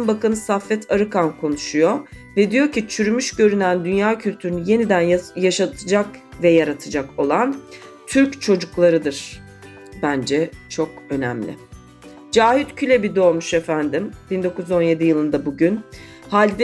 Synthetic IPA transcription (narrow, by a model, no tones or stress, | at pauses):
nbakanɯsafːɛt̪ʰaɾɯkʰankʰo̞nuʃujovɛd̪ijo̞cʰit͡ʃʰyɾymyʃɟø̞ɾynænd̪ynjaːcʰylʲt̪ʰyɾynyje̞nid̪ænajaʃat̪ʰɯd͡ʒakvɛjaɾat̪ʰɯd͡ʒako̞lˠan | t̪ʰyɾct͡ʃʰo̞d͡ʒuklˠaɾɯd̪ɯɾ̥ | bænd͡ʒɛt͡ʃʰo̞k̚ø̞nɛ̰mlʲɪ̰ | d͡ʒaːhit̪cʰylʲebid̪o̞ːmuʃefænd̪imb̥ind̪o̞kuzo̞nje̞d̪ijɯlˠɯnd̪abuɟyn | halʲd̪